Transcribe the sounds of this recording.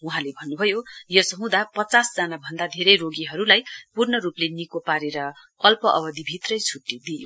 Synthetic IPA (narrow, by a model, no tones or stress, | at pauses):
uɦãlebʱʌnːubʱʌjojʌsʌɦũd̪apʌt͡sasd͡zanabʱʌnd̪ad̪ʱeɾʌjɾoɡiɦʌɾulajpurnʌɾuplenikopaɾeɾʌ | ʌlpʌʔʌbʌd̪ibʱit̪rʌjt͡sʰuʈːid̪ijo